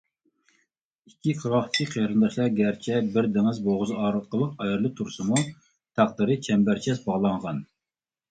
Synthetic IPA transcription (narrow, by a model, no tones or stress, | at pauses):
ikʲʰːiqʰəʁɑχt̪ʰɪ̥kʲʰiqʰeɾɨnd̪ɑʃlˠɑɾɡʲæɾt͡ʃʰɛbɪɾd̪ɪŋɪzboʁʊzɨɑːɾɨt̪̚qəlˠəqɑjɑɾlˠɨt̪ʰuɾsɨmu | t̪ʰæq̚d̪ɨɾɨt͡ʃʰɛmbæɾt͡ʃʰɛsbɑʁlˠɑɴʁɑn